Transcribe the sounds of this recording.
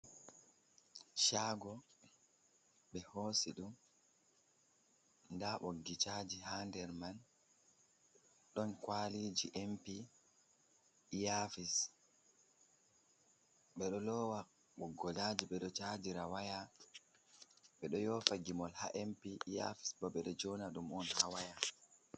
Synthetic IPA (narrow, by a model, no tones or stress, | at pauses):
ʃaːɡɔ | ɓɛhoːsiɗum | ndaɓoɡːit͡ʃaːd͡ʒihandɛɾman | ɗɔnkwalid͡ʒiʔɛmpi | jafis | ɓɛɗɔlɔwa | ɓɔɡɔlad͡ʒiɓɛɗɔt͡ʃad͡ʒiɾawaja | ɓɛɗɔjɔfaɡimɔlha̰ʔɛmpiːja̰fi̥sbɔɓɛɗɔd͡ʒɔnaɗumɔnhawaja